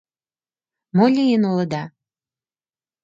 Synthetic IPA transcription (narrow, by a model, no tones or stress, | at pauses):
molʲijənolə̆d̪ɑ